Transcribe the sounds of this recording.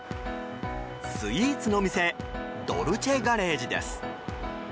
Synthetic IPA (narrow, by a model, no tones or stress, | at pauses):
sɨiːt͡sɨnoːmʲise̞d̪o̞̰ɾɯ̟t͡ɕeɡaɾe̞ːʑid̪ḛsɨ̥